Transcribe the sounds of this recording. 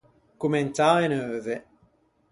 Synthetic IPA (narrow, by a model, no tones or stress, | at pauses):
kument̪aenøːðe